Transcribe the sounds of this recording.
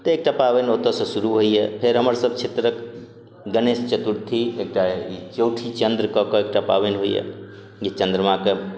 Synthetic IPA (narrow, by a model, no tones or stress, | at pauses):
t̪əek̚ʈapaʋenot̪əsə̃suɾuɦoiepʰeɾɦəməɾsəb̚t͡ʃʰet̪ɾək | ɡənest͡ʃət̪uɾt̪ʰiek̚ʈait͡ʃowʈʰit͡ʃənd̪ɾkɔkɔek̚ʈapa̰ʋenɦoijḛ | jet͡ʃə̃nd̪ɾəmãke